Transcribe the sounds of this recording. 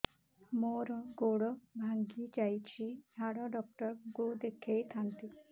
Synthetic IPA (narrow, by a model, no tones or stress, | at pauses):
moɾɔɡoɽɔbʱaŋɡid͡ʒajt͡ʃʰid͡ʒʱaɽɔɖɔk̚ʈɔɾɡud̪ekʰejt̪ʰant̪i